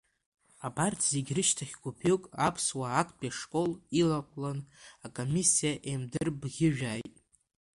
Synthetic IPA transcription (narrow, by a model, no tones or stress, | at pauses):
abartʰz̥e̞ɡʲrɨʃtʰaχʲɡʷupʰɪkʼapʰswaːkʷʰʼbʼiaʂkʼo̞lilaqʷʼlanakʼomisijaʔemdɨrbɣʲɪʒᶣaːjtʼ